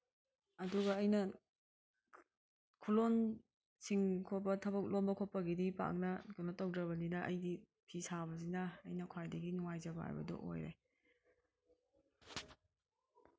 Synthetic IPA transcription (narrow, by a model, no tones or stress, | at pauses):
ɐduɡɐːjnɐ | kʰulon | siŋkʰot̚pɐtʰɐbɐk̚lombɐkʰot̚pɐɡidipa̰k̚nɐɡunɐtow̚dɐbɐninɐʔɐ̰jdi | pʰisabɐzinɐ̰ːjnɐkʰwajdɐɡinuŋajzɐbɐha̰jbɐ̰dɔ̰ʔo̰jɾḛ